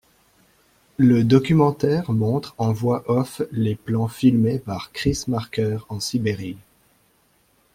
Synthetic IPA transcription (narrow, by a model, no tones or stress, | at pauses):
ləd̪ɔkʲymɑ̃t̪ɛʁmɔ̃t̪χɑ̃vwaʔɔfleplɑ̃filmepaʁkχismaʁkʲœʁɑ̃sibeʁi